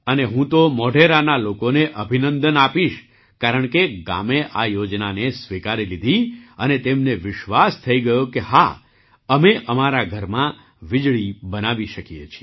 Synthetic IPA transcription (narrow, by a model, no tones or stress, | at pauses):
əneɦũt̪omɔɖʱeɾanalokoneʔəbʱinənd̪ənapiʃ | kaɾəɳkeɡa̰meʔajod͡ʒnanesʋikaɾilid̪ʱiənet̪emneʋɪʃʋast̪ʰəiɡəjokeɦa | əmeʔəmaɾaɡʱəɾmã | ʋɪd͡ʒɭibənaʋiʃəkijḛt͡ʃʰi